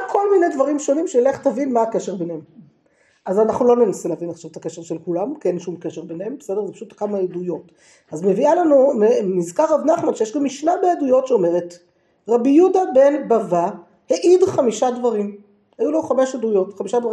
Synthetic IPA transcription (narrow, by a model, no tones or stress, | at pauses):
kʰo̞lmine̞jdvaʁimʃo̞nimʃeile̞χtavinmaːke̞ʃeʁbenhem | ʔazanaχnulo̞ne̞nasileavinaχʃavet̪akeʃeʃelkulamkienʃumke̞ʃeʁbenhembesede̞zepaʃutkamaedujo̞t | azmevialanumemizkaʁːavnaχmanʃejeʃɡamːiʃnabeadujo̞tʃeo̞me̞ʁe̞t | ʁabijudabe̞nbava | heʔidχamiʃadvaʁim | hajulaχame̞ʃadujo̞tχamiʃadvaʁi